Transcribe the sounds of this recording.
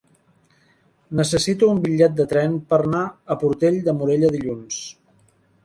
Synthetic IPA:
nəsəsit̪uːmbiʎːɛt̪̚d̪ət̪ɾɛnpəɾnaəpuɾt̪eʎd̪əmuɾeʎəðiʎuns

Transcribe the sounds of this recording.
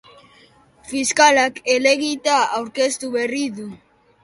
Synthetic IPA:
fiskalakele̞ɣit̪aawɾke̞st̪uβe̞riðu

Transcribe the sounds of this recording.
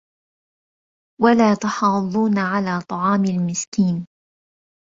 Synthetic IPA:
walaːt̪ʊħɑːðˤuːnaʕalaːt̪ˤɑʕɑːmɪlmɪskiːn

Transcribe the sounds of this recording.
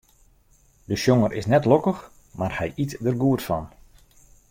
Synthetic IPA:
dəʃjoŋərʔɪsnɛtlokəx | marhɛjʔitdərɡuərtfɔ̰n

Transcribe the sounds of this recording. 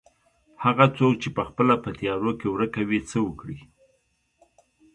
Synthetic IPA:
haɣat͡sok̚t͡ʃepəxpəlapət̪jɑɾokewɾəkawit͡səwəkɽi

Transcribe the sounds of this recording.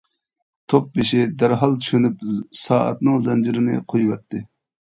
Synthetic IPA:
t̪ʰop̚bɪʃɪd̪æɾɦɑlˠt̪ʰy̥ʃynypsɑːɑ̰t̪nɨŋzɛnd͡ʒiɾɪnɪ̰qʰojvɛt̪ʰːɨ

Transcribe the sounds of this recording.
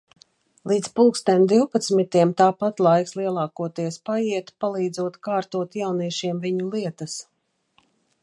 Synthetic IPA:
lˠiːt̪spulˠkst̪ɛmd̪iwpat̪smit̪iɛmt̪aːpat̪lˠajkslˠiɛlˠɑːkuɔt̪iɛspajiɛt̪palˠiːd̪zuɔt̪kaːɾt̪uɔt̪jawniɛʃiɛmviɲulˠiɛt̪as

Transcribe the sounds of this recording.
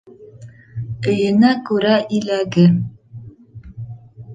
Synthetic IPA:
ɘ̆jɘ̆nækʉɾæʔilæɡɘ

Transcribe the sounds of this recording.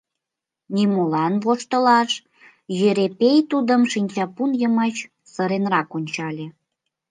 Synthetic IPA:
nimolɑnβoʃt̪əlɑʃ | jeɾepejt̪ud̪əmʃinʲt͡ɕɑpunjəmət͡ɕ | səɾenrɑkonʲt͡ɕɑlʲe

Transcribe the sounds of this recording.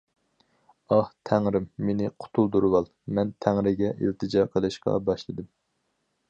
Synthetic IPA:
ɑht̪ʰɛŋɾɪmːenɪqʰʊ̥t̪ʰulˠd̪uɾɨwɑlˠ | mɛnt̪ʰæŋɾɪɡʲɛʔḭlt̪ʰɨd͡ʒɑːqʰəlˠɨʃqɑ̰bɑʃlˠɨd̪ɨm

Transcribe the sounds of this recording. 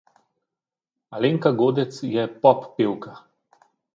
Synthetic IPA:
aleːŋkaɡoːd̪ɛt̪sjɛpɔpːewka

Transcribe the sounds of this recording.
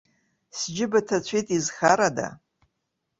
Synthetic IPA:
sd͡ʒɪbatʰat͡ɕʷʰijtʼizxaɾada̰

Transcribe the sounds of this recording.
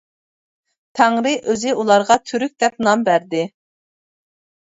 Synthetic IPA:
t̪ʰæŋɾɪʔøzɪulˠɑɾʁɑt̪ʰyɾyk̚ʲd̪ɛp̚nɑmbæɾd̪ɪ

